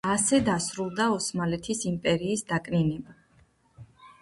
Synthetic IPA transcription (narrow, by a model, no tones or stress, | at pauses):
asɛd̪asɾulˠd̪aɔsmalɛt̪ʰisimpʼɛɾiːsd̪akʼninɛba